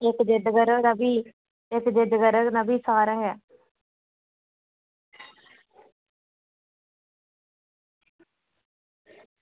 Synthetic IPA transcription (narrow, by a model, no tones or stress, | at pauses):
ɪkd͡ʒɪd̪ɡəɾənəbiː | ɪkd͡ʒɪd̪ɡəɾənəbiːsaːɾəɦɛː